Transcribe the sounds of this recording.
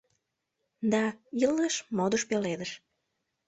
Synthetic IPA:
d̪ɑilːeʃmod̪oʃpeled̪əʃ

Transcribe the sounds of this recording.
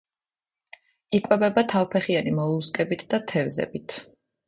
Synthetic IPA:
ikʼwɛbɛbat̪ʰavpʰɛχianimɔlˠuskʼɛbit̪ʰd̪at̪ʰɛvzɛ̰bit̪ʰ

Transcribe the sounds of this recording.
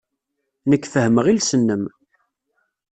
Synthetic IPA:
nəkːfəhəməʁilsənːəm

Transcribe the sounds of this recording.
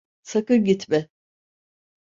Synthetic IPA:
sakɯɾɟit̪mɛ

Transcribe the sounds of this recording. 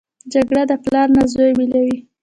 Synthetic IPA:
d͡ʒaɡɽad̪əplɑɾnazojbilawi

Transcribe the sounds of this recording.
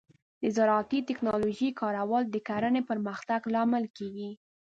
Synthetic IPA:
d̪əzaɾɑːt̪it̪ɪknɑloʒikɑɾawɑld̪əkaɾənepəɾməxt̪aɡlɑmɪlkeɡi

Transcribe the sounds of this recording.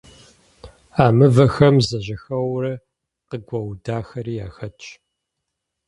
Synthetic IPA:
aːmɨvɐxɐmzɐʑɐxɐwrɐ | qəɡʷʼɐwdaːxɐɾiːjaːxɐt͡ʃʼ

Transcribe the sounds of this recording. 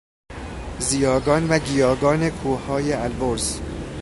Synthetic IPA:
zijɒːɡɒːnvæɡijɒːɡɒːne̞kʰuːhɒːjeælboɾz

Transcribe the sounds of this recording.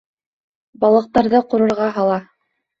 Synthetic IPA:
bɑlˠɤ̆q̚t̪ɑɾðɤqŏɾɤ̆ɾʁɑɦɑlˠɑ

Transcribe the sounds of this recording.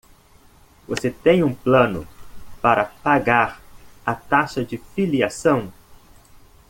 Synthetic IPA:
voset̪ẽj̃ũplɐ̃nʊ̰paɾɐpaɡaɾɐt̪aʃɐd͡ʒɪfiliasɐ̃w̃

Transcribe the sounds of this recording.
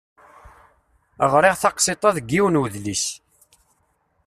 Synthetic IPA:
əʁɾˤɪʁθɑqset̪ˤɑðɡːiwənwəðlis

